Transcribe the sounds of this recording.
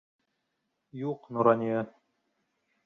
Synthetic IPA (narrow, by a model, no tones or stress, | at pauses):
juqnoɾɑnʲiɤ